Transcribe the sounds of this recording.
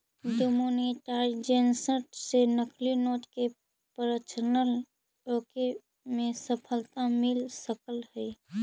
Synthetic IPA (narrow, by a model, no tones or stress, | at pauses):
ɖomoniʈaɾd͡ʒensəʈsenəkʰlinoːt̪ke | pəɾət͡ʃənəl | oke | mẽsəpʰəlt̪amɪlsəkəlhəi